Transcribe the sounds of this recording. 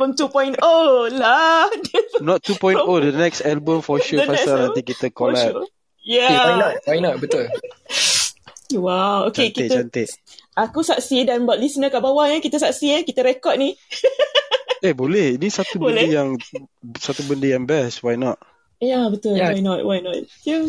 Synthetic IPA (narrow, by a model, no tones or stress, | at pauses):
bɔmt̪upɔj̃ntoladənɔt̪ːupɔj̃todənɛksalbəmfɔʃufasanãnikit̪əkolat̪ | jawajnɔt̪̚wajnɔt̪̚bət̪ʊl | wawo̰kt͡ʃekit͡ʃant̪ɪʔakusaʔsidanbaʔ̚lisnəkaʔbawaəkit̪asaksiəkit̪aɾɛkɔt̚ni | ehbolɛhinisat̪ubəldəjaŋsat̪ubəndəjaŋbɛswajnɔt̚ | jabət̪ʊlwajnɔt̚wajnɔt̪̚ja